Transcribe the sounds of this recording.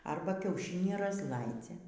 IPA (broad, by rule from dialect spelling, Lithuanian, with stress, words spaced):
ˈɐrbɐ kʲɛʊˈʃʲɪnʲiː rɐzˈlˠɐɪd͡zʲɛ